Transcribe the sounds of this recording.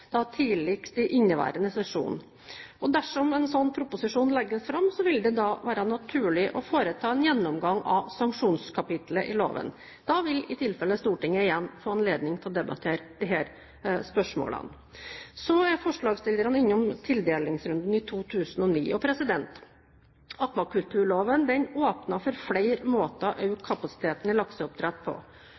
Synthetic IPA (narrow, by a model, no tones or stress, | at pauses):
d̪̥ɑt̪ʰiːlɪkt̪ɪʔɪnːəʋæ̰ːɾənəsɛʂṵːn | ɔd̪æʂɔmɛnsɔnːpʰɾʊpʊsɪʂuːnlɛɡːəsfɾɑmːsɔʋɪld̪ɛd̪ɑʋæːɾɑnɑt̪ʰʉːɭɪʔɔfoːɾət̪ʰɑːɛnjɛnːɔmɡɑŋːɑ̰ʋsɑŋkʂuːnskʰɑpɪt̪ləʔɪlo̰ːʋə̰n | d̪̥ɑʋɪlɪt̪ʰɪlfɛlːəst̪uːʈɪŋːəɪjɛnːfoːɑnleːd̪nɪŋt̪ʰɪlɔd̪ɛbɑ̰t̪ʰeːɾəd̪̥ɪɦæːɾ | spœʂmo̰ːlə̰n | sɔæɾfɔʂɭɑːɡst̪ɪld̪əɾənɪnːɔmt̪ʰɪld̪eːlɪŋsɾʉnd̪n̩ɪt̪ʰuːt̪ʰʉːsənɔnḭːʔɔpʰɾɛsɪd̪ɛnt̪ | ɑkmɑkʉlt̪ʰʉːɭoːʋənd̪ɛnoːpnɑfɔɾflæɪɾmoːt̪əʔɑʉkʰɑpɑsɪ̥t̪ʰeːt̪ənəlɑksəʊp̚t̪ʰɾɛt̪ːpʰɔ̰